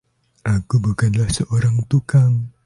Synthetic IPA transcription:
ʔakubukanlahsəʔoɾaŋt̪ukaŋ

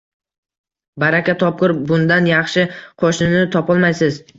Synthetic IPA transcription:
baɾakʲat̪ʰɒp̚qɨɾbʊnd̪anjɑχʃɪqʰoʃnɪnɪt̪ʰɒpʰɒlˠmajsɪz

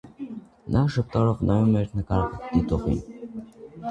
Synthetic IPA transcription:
nʔɑʃəp̚t̪ɑɾɔvnʔɑjumɛɾnəkɑɾʁɛd̪̥it̪ɔʁḭn

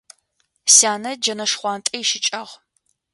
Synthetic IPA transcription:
saːnɐd͡ʒɐnɐʂχʷɑːntʼɐjʃɪt͡ʃʼɐʁ

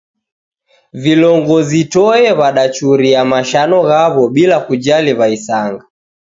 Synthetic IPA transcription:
vilɔŋɡɔzitɔɛβaɗat͡ʃuɾiamaʃanɔɣaβɔɓilakud͡ʒaliβaisaŋɡa

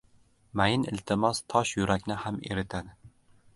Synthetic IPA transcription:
majɪnɪ̰lt̪ʰɪmɒst̪ʰɒʃjʊɾʔakʲnɪhamḛɾɪt̪ʰad̪ɪ

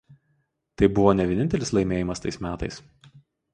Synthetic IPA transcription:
t̪ɐɪbʊʋoːnʲɛʋʲiɛnʲɪnʲt̪ʲɛlʲɪslˠɐɪmʲeːjɪmɐst̪ɐɪsmʲæːt̪ɐɪs

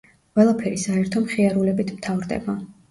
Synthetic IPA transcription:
wɛlˠapʰɛɾisaɛɾt̪ʰɔmχiaɾulɛbit̪ʰmt̪ʰavɾd̪ɛ̰ba

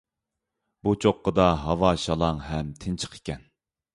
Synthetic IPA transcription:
but͡ʃʰoqːəd̪ɑɦɑwɑʃɑlˠɑŋɦɛmt̪ʰɪnt͡ʃʰə̥qʰe̥kʲɛn

